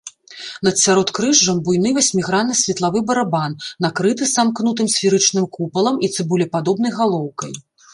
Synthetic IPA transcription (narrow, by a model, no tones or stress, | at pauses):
nɐt̪sʲaɾɔt̪kɾɨʐːɐmbujnɨvasʲmʲiɣɾanɐsʲvʲɛt̪lˠavɨbɐɾabanːakɾɨt̪ɨsamknut̪̬ɨmsʲfʲiɾɨt͡ʂnɨmkupɐlˠɐmit̪sɨbulʲɛpad̪ɔbn̪ɐjɣalˠɔwkɐj